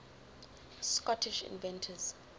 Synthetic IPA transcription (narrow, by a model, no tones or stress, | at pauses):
skɔtʰiʃḭ̃nvɛ̃ntʰəz̥